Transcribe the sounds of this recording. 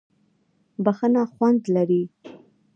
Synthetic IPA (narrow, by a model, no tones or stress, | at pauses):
baxənaxwand̪laɾi